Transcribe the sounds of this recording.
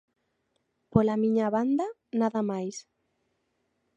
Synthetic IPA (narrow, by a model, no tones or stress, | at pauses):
polamiɲaβand̪a | naðamajs